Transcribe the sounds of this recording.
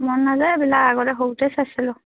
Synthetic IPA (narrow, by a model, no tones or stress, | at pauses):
mɔnnazajbilakaɡɔtɛɦowtɛsasilʊ